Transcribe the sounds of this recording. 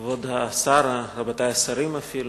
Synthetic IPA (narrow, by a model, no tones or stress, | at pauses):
vod̪aːsaɾaɾabat̪ajasɐɾimafil